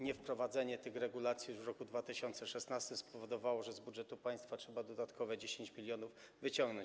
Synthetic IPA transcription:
ɲɛfpɾɔvad̪zɛɲɛt̪ɘxɾɛɡulat̪sʲjijuʐvɾɔkud̪vat̪ɘɕɔnt̪sɛʂɛsnast̪ɘmspɔvɔd̪ɔvawɔʐɛzbudʐɛt̪upaj̃st̪fatʂɛbad̪ɔd̪at̪kʰɔvɛd͡ʑeɕeɲt͡ɕmʲilʲjɔnuv | vɘt͡ɕɔ̃ŋɡnɔ̃ɲt͡ɕ

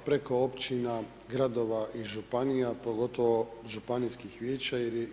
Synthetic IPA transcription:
pɾeko̞opt͡ɕina | ɡɾad̪o̞ʋaʔiʒupanijapo̞ɡo̞t̪o̞ʋoʒupanijskixʋjeːt͡ɕajeɾj

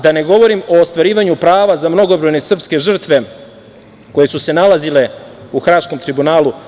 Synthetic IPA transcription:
d̪ane̞ɡo̞ʋo̞ɾimo̞ːst̪ʋaɾiːʋaɲupɾaːʋazamno̞ɡobɾo̞jnesr̩pske̞ʒr̩t̪ʋe̞ | ko̞je̞suse̞nalazile̞uxɾaːʃko̞mt̪ɾibunaːlu

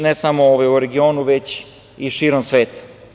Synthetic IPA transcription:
nesamooːʋajuɾeɡio̞ːnuʋet͡ɕ | iʃiːɾomsʋe̞ːt̪ḁ

